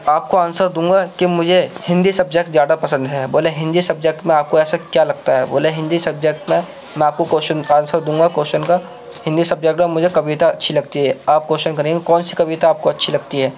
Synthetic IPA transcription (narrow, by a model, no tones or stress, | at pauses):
aːp̚koaːnsəɾd̪ũːŋɡakimʊd͡ʒʱehɪ̃nd̪isɐb̚d͡ʒek̚ʈzjaːd̪apɐsə̃nd̪ɦɛːboːleɦɪ̃nd̪isɐb̚d͡ʒek̚ʈmẽaːp̚koɛːsakjalɐɡt̪aɦɛbo̰ːleɦɪ̃nd̪isɐbd͡ʒek̚ʈmẽ | mɛ̃aːp̚kokoːʃənaːnsəɾd̪ũːŋɡakoːʃənka | hɪ̃nd̪isɐbd͡ʒek̚ʈmẽmʊd͡ʒʱekɐbit̪aɐtːʃʰilɐɡt̪iɦɛːaːp̚koːʃənkɐɾẽɡekɔːnsi̥kɐβit̪aaːp̚koɐtːʃʰilɐɡt̪iɦɛː